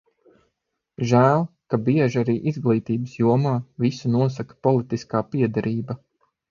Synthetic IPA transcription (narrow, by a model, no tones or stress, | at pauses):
ʒæːlˠkabiɛʒaɾiːʔizɡlˠiːt̪iːbəsjuɔmaːvisunuɔsakḁpɔlˠit̪iskaːpiɛd̪aɾʔiːba